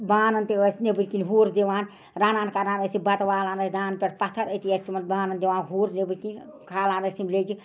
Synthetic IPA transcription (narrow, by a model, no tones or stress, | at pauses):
baːnənt̪eəsnebɨtʲkinɦuːɾd̪eʋaːn | ɾaːnaːnkaːɾãːnəsibɐt̪ʋaːlaːnəsd̪aːnpʲeʈpɐt̪ʰəɾət̪iəst̪imɐnbaːnənd̪eʋaːnɦuːɾnebɨkinkʰaːlãːnəst̪imled͡ʒi